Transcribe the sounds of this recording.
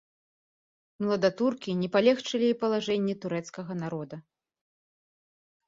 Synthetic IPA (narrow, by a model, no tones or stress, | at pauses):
mlˠɐd̪at̪urkʲinʲɛpalʲɛxt͡ʂɨlʲiipɐlˠaʐɛnʲːɛt̪uɾɛt̪skɐɣɐnaɾɔd̪ɐ